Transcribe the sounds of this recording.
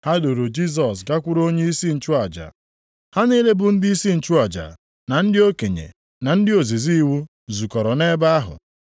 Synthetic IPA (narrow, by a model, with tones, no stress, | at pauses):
ha˦do˨ɾo˨d͡ʒi˦s̬ɔ˨s̬ɡa˦kʷʊ˦ɾo˦ɲe˦i˦si˦n̩˨t͡ʃʊ˦a˨d͡ʒa̰˨ | ha˦ni˦le˦bʊ˨n̩˦dɪ˦i˦si˦n̩˨t͡ʃu˦a˨d͡ʒa̰˨ | na˨n̩˦dɪ˦o˦ke˨ɲḛ˨ | na˨n̩˦dɪ˦o˨zi˨zi˦i˦wu˦ | zu˨kɔ˨ɾɔ˨ne˦ba˦a˦ɦʊ̰˨